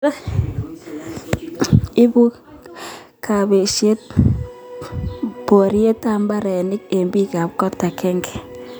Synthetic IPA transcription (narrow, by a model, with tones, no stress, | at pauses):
ɪ˦bu˦ | ka˨be˨ʃje˦t̚ | po˨ɾje˦ta˨mba˦ɾɛ˨nɪ˦k̚e˨mbi˦ka˨p̚kɔ˦tːa˨kɛ˦ŋɡɛ̥˨